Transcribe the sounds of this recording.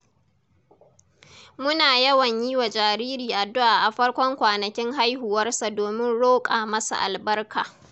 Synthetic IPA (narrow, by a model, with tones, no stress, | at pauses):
mʊ˦naː˨jɐ˦wɐ˨ɲjiː˦wa˨d͡ʒaː˨ɾiː˦ɾiː˨ʔa˨dːʊ˦ʔaː˨ʔa˨ɸɐ˦ɽkʷɔ˦ŋkʷaː˨nɐ˨kʲɪ˦ŋɦa˦jhʊ˨wɐ˦rsa˨doː˨mɪ˦nɽoː˦kʼaː˨mɐ˦sa̰˨ʔa˨lbɐ˦rkʰaː˨